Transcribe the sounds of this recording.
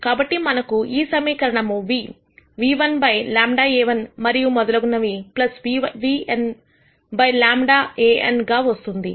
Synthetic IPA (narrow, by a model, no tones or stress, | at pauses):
kaːbɐʈːimɐnɐkuiːsɐmɐjkɐɾɐɳɐmuʋi | ʋiːʋɐnbɐjlaːmɖaːeːʋɐnmɐɾijumɔd̪ɐlɐɡunːɐʋiplɐsʋiʋien | bɐjlaːmɖaːeːʔḛnɡaːʋɐst̪und̪ḭ